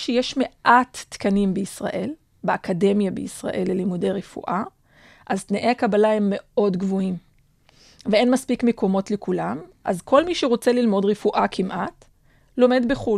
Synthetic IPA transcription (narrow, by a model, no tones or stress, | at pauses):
ʃejeʃme̞ʔatːkanimbeisʁa̰ʔe̞l | beakade̞mjabeisʁa̰ʔe̞lːelimude̞jʁefṵʔa | ʔazt̪naʔejakabalaemːe̞o̞dɡvoim | vee̞nmaspikmeko̞mo̞tlekulamʔa̰zkʰo̞lmiʃeʁo̞t͡se̞lilmo̞dʁefuʔakʰimʔat | lo̞me̞dbeχu